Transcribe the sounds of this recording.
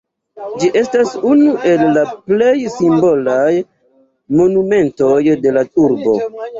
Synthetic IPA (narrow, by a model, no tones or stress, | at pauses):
d͡ʒiʔe̞stasunuʔe̞lːaple̞jsimbo̞laj | mo̞nume̞nto̞jde̞latuɾbo̞